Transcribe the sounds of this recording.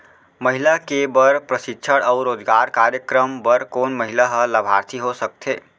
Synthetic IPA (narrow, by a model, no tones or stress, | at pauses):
məɦilakebəɾpɾəsɪtːʃʰəɽɔʊɾoːd͡ʒɡaːɾkaːɾjəkɾəmbəɾkoːnməɦilaɦələbʱaːɾt̪ʰiɦosək̚t̪ʰeː